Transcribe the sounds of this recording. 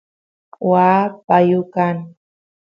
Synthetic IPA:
wapajʊkan

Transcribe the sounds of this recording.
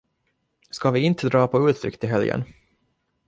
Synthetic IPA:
skɑvɪɪnt̪ʰəd̪ɾɑːpʰɔʉ̟ːt̪ʰɾʏ̰kt̪ɪɦɛljə̰n

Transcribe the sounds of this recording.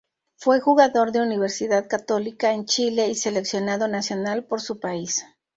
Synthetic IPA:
fwe̞xuɣaðo̞ɾðe̞uniβ̞e̞ɾsiðaðkat̪o̞likaent͡ʃile̞ise̞le̞ksjo̞naðo̞nasjo̞nalpo̞ɾsupais

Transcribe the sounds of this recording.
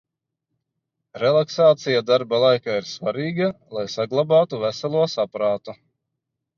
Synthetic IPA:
ɾɛlˠaksaːt̪sijad̪aɾbalˠajkaːiɾsvaɾiːɡalˠajsaɡlˠabaːt̪uvæsɛlˠuɔsapɾaːt̪u

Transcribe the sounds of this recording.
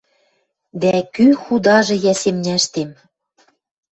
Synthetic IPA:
d̪ækyxud̪ɑʒɤ̆jæsemnʲæʃt̪em

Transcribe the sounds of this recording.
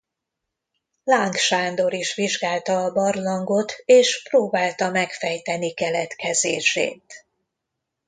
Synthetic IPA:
laːŋkʃaːnd̪o̞ɾiʃʋiʒɡaːlt̪ɒːbɒrlɒŋɡo̞t̪eːʃproːbaːlt̪ɒmɛkfɛjt̪ɛnikɛlɛt̪kɛzeːʃḛːt̪

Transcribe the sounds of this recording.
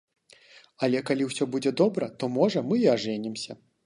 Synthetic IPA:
alʲɛkalʲiwsʲɔbud͡zʲɛd̪ɔbɾɐt̪ɔmɔʐɐmɨiaʐɛnʲimsʲɐ

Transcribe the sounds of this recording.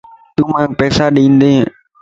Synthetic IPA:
t̪umanpɛsadeinde

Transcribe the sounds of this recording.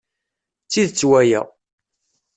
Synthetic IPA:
t͡sːiðt͡sːwæjæ̰

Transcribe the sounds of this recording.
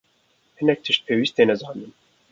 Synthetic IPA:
hɨnɛk̚t̪ʰɨʃt̪̚pʰewist̪̚enɛzɑːnd̪ɨm

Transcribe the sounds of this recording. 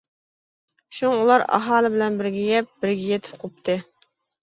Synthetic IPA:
ʃuŋulˠɑɾɑ̰ɦɑːlˠɨbɪlɛnbɪɾɡʲɛɡʲɛp̚b̥ɪɾɡʲɛjet̪ʰɪ̥p̚qʰop̚t̪ʰɨ

